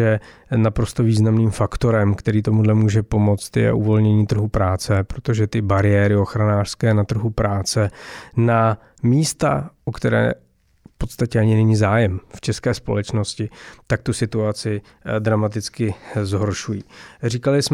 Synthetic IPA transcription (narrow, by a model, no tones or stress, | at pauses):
ɛnapɾo̞st̪o̞viːznamniːmfakt̪o̞ɾɛmkt̪ɛɾiːt̪omudlɛmuːʒɛpo̞mo̞t͡st̪jɛ̰ʔuvo̞lɲɛɲiːt̪r̩ɦupɾaːt͡sɛpɾot̪o̞ʒɛt̪ɪbaɾɪjɛɾɪoxɾanaːr̥skɛːnat̪r̩ɦupɾaːt͡sɛna | miːst̪a̰ʔokt̪ɛɾɛ̰ː | fpo̞t̪st̪acɛaɲɪnɛɲizaːjɛmft͡ʃɛskɛːspo̞̰lɛt͡ʃno̞scɪt̪ak̚t̪usɪt̪uat͡sɪ | d̪ɾamat̪ɪt͡skɪzɦo̞ɾʃujiːriːkalɪsm